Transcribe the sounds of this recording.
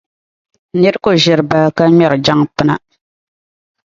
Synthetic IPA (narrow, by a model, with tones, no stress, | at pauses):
nɛ˦ɾko˦ʒɪ˨ɾɨ˨ba˨lka˦mɛ˦˨ɾɨ˨d͡ʒa˦ŋpɨ˦na˨